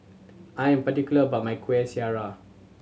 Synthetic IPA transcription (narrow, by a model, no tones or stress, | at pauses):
ajɛ̃mpatikjuləəbat̚majkʰwɛsiaɹa